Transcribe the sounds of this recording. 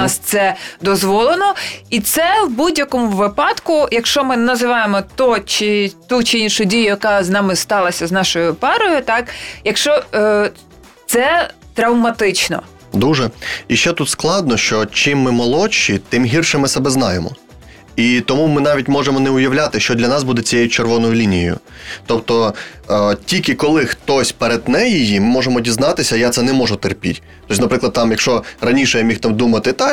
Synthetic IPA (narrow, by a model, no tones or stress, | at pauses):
st̪sɛd̪ɔzʋɔlˠenɔit̪sɛwbudʲjɐkɔmʊʋɪpɑd̪kʊjɐkʃt͡ʃɔmɪnɐzɪʋɑjemɔt̪ɔt͡ʃɪt̪ut͡ʃɪinʃʊdʲijʊjɐkɑznɑmɪst̪ɑlˠɐsʲɐznɑʃɔjʊpɑɾɔjʊt̪ɑkjɐkʃt͡ʃɔ | t̪sɛ | t̪ɾɐwmɐt̪ɪt͡ʃnɔ̰ | d̪uʒɛiʃt͡ʃɛt̪ut̪sklˠɑd̪nɔʃt͡ʃɔt͡ʃimːɪmɔlˠɔt͡ʃːit̪ɪmɦʲirʃɛmɪsɛbɛznɑjemɔ̰ | it̪ɔmumɪnɑʋʲitʲmɔʐemɔnɛʊjɐwlʲat̪ɪʃt͡ʃɔd̪lʲɐnɑs̬bud̪ɛt͡sʲijejʊt͡ʃerʋɔnɔjʊlʲinʲijjʊ̰ | t̪ɔpt̪ɔ | tʲilʲkɪkɔlˠɪxt̪ɔsʲpeɾed̪nɛjijimɪmɔʐemɔdʲiznɑt̪ɪsʲɐjat̪sɛnɛmɔʒʊt̪erpʲḭtʲ | t̪ɔsʲnɐpɾɪklˠd̪t̪ɑmjɐkʃɔrɐnʲiʃɛjamʲixt̪ɑmd̪umɐt̪ɪt̪ɑ